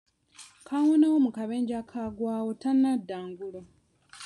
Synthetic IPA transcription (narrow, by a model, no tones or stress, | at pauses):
kʰawonawomukaβeːɲɟakʰaɡwaːwotanːadːaːŋɡulo